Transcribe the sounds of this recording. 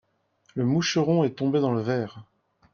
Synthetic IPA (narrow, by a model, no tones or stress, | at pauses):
ləmuʃəʁɔ̃ɛt̪ɔ̃bed̪ɑ̃ləvɛːʁ